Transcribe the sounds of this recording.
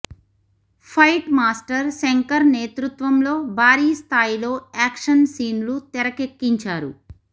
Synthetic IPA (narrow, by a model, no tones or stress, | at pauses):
pʰɐjʈmaːsʈɐɾseŋkɐɾneːt̪ɾut̪ʋɐmlo̞ːbʱaːɾiːst̪ʰaːjilo̞ːaːkʂɐnsiːnlut̪ɛɾɐkekːiɲt͡ʃaːɾṵ